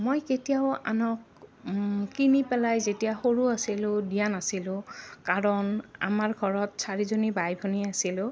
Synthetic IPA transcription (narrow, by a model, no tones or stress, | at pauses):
mojketijaʊa̰nɔk̚ | kinipɛlajzetijaxoɹuasilʊdijanasilʊ̃kaɹɔna̰maɹɡʱɔɹɔtsaɹizonibajbʱɔniasilʊ̃